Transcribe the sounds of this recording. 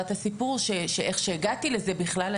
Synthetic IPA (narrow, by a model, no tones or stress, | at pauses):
t̪asipuʁʃeʃeʔeχʃeːɡat̪ileze̞biχlal